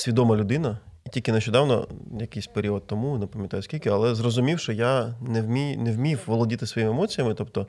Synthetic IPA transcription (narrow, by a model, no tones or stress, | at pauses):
sʲʋʲid̪ɔmɐlʲʊd̪ɪnɐtʲilʲkɪnɐʃt͡ʃɔd̪ɑwnɔ̰jɐkɪjsʲpeɾʲiɔd̪̚t̪ːɔmunɐpɐmʲjɐt̪ɑjʊsʲkʲilʲkɪɐlˠɛzrɔzʊmʲiwʃt͡ʃɔjanɛwmʲijnɛwmʲiwʋɔlˠɔdʲit̪ɪsʋɔjimɪemɔt͡sʲijɐmɪt̪ɔp̚t̪ɔ